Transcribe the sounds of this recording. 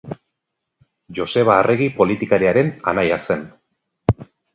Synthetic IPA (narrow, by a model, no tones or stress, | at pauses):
ʝo̞se̞β̞aːrʔeɣipo̞lit̪ikaɾiaɾe̞na̰najase̞n